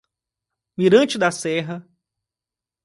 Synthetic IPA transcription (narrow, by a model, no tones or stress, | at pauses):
miɾɐ̃nt͡ʃɪd̪ɐsɛɦɐ